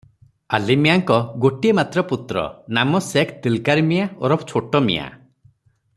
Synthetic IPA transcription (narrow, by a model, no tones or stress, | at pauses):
alimijaŋkɔɡoʈiemat̪ɾɔput̪ɾɔ̰namɔsekʰt̪ilkaɾimijaɔ̰ɾɔpt͡ʃʰoʈɔmḭja̰